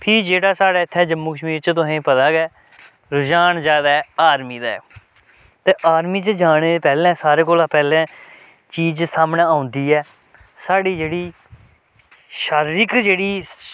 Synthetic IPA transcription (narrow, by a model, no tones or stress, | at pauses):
pʰɪːd͡ʒeːɽaːsaːɽaːɪt̪ʰːɛːd͡ʒəmːuːkəʃmiːɾt͡ʃt̪ʊsẽːpət̪aːɡɛː | ɾʊd͡ʒaːnzjaːd̪aɛaːɾmiːd̪aːɛ̰ː | t̪eːʔaːɾmiːt͡ʃəd͡ʒaːɳeːeːpɛːlɛ̃ːsaːɾeːkoːlaːpɛːlɛ̃ː | t͡ʃiːd͡ʒsaːmɳẽːaːʊ̃nd̪iːɛː | saːɽiːd͡ʒeːɽiː | ʃaːɾɪkd͡ʒeːɽiː